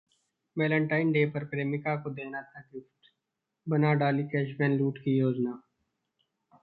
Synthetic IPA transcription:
mɛːlə̃ɳʈaːɪnɖeːpɐɾpɾeːmɪkakod̪eːnat̪ʰaɡɪfʈ | bɐnaɖaːlikɛːʃmɛ̃ːnluːʈkijoːd͡ʒnaː

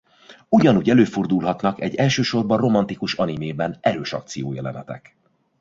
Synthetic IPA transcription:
uɟɒnuːɟɛløːford̪ulɦɒt̪nɒkɛɟːɛlʃøːʃo̞rbɒro̞mɒnt̪ikuʃɒnimeːbɛnʔɛɾøːʃɒ̰kt̪sijoːjɛlɛ̰nɛt̪ɛ̰k

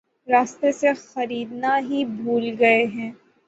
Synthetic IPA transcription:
ɾaːst̪esexɐɾiːd̪naɦibʱuːlɡɐeɦɛ̃ː

